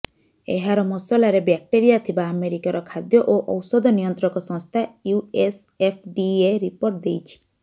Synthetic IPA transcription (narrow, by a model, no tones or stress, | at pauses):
ḛɦaɾɔmɔsɔlaɾebak̚ʈeɾijat̪ʰibaːmeɾikaɾɔkʰad̪jɔʔoʔɔwsɔd̪ʱɔnijɔnt̪ɾɔkɔsɔ̃ŋst̪ʰajues | epʰɖieɾipoɾʈ̚d̪ejt͡ʃʰi̥